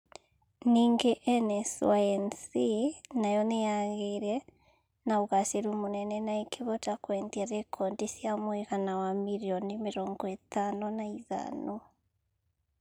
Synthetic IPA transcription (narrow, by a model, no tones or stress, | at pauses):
niːŋɡeʔɛnɛswaɛnsinajɔnejaɣeɾɛ | naoɣaseɾumonɛnɛnaekeβɔtakwɛndiaɾɛkʰɔndisiamweɣanawamiɾiɔnimeɾɔŋɡɔetanonaiða̰no